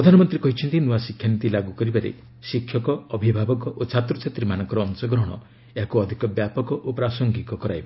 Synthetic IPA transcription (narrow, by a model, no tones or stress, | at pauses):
pɾɔd̪ʱanɔmɔnt̪ɾikɔɦit͡ʃʰɔnt̪inuasikʰjant̪ilaɡukɔɾibaɾḛ | sikʰːjɔkɔɔbʱibʱabɔkɔʔot͡ʃʰat̪ɾut͡ʃʰet̪ɾimanɔŋkɔɾɔːnsɔɡɾɔɦɔɽ̃ɔ̰ | eɦakuɔd̪ʱikɔbjapɔkɔʔopɾasɔŋɡik̪ɔkɔɾajbɔ